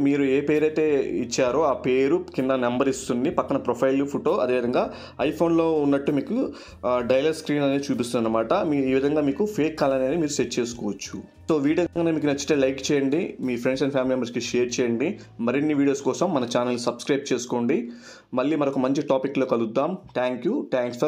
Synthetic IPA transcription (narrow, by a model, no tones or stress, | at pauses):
miːɾue̞ːpe̞ːɾɐjt̪e̞ːit͡ʃːaːɾoːaːpe̞ːɾukind̪ɐnembɐɾist̪und̪ipɐkːɐnɐpɾopʰɐjlupʰuʈoːʔɐd̪e̞ːʋid̪ɐŋɡaː | ɐjpʰo̞ːnlo̞ːunːɐʈːumiːku | ɖɐjlɐɖskɾiːnɐneːt͡ʃuːpist̪und̪ɐnːɐmaːʈɐmiiːʋid̪ʱɐŋɡaːmiːkupʰeːkːaːlaːniɐnimiːɾuseʈːt͡ʃe̞ːsu̥kɔːʋɐt͡ʃːṵ | so̞ːʋiːɽiɐɡŋɡɐnemiːkunɐt͡ʃːi̥t̪eːlɐjkt͡ʃɛːjɐɳɖimiːpʰɾeɳɖs̬ɐnpʰjaːmiliembɐɾskiʃeːɾt͡ʃɛːjɐɳɖi | mɐɾinːiʋiːɽioːskɔːsɐmːɐnɐt͡ʃaːnɐlːusɐbskɾɐjb̚t͡ʃe̞ːsu̥koːɳɖi | mɐɭːimɐɾoɔkɐmɐɲt͡ʃiʈaːpikːloːkɐlud̪ːaːmʈ̪aːŋkjuʈaːŋksɐ